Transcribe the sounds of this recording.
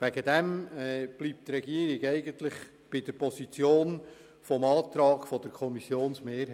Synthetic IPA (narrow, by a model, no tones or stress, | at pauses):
væɡəd̥ɛmb̥liːp̚t̪ɾɛɡiːəɾɪɡɛɪɡəntlɪχ | b̥ɪdəɾpʰɔsit͡sjoːn | fɔmɑːtɾɑːɡ̥fɔd̥əɾkʰɔmisjoːnsmeːɾh